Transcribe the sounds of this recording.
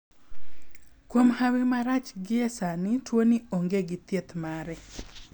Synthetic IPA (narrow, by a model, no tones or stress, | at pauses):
kwomhawɪmaɾat͡ʃɡɪɛsanɪtwonioŋɡeɡɪt̪jet̪maɾɛ